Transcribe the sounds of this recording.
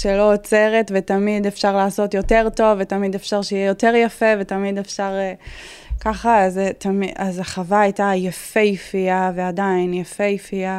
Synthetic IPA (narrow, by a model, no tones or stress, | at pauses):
ʃelo̞ːt͡se̞ʁetvetamidefʃaʁlaːso̞tjo̞te̞ʁto̞vːetamide̞fʃaʁʃejɛjo̞te̞ʁjafe̞vetamidefʃaʁe | kaχaztʰamiazaχavaajtajafejifiaveadainjafejifia